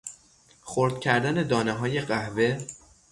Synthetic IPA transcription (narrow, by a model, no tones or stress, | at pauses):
xoɾd̪̥cʲʰæɾd̪æne̞d̪ɒːneɦɒːje̞ɢæhve̞